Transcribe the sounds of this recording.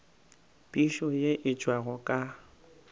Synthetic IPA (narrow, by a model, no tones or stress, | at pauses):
pʼiʃɔjeʔɪt͡ʃʼwaɣɔkʼa